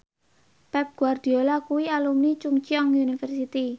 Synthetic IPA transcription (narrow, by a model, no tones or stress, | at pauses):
pɛp̚ɡ̥uard̪̥iolakuwialumnit͡ʃuŋt͡ʃiɔŋunifɛrsit̪i